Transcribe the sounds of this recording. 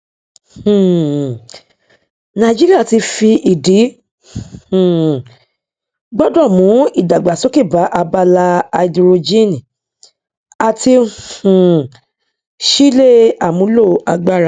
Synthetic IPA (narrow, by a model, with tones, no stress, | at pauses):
h̩˨ | nã˧˨d͡ʒi˦ɾi˦a˦˨ti˧fi˧ʔi˨di˨˦˨ | ɡ͡bɔ˦dɔ˦˨mũ˨˦i˦˨da˨ɡ͡ba˨so˨˦ki˦˨ba˨˦ʔa˧ba˧la˧a˧di˧ɾo˧d͡ʒi˦nĩ˨ | a˨tĩ˧˨ | ʃi˦le˦a˨mũ˨˦lo˦˨a˧ɡ͡ba˦˨ɾa˦˨